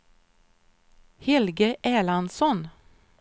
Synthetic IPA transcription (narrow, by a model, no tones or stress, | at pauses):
hɛlɡəʔeːlɑnsɔn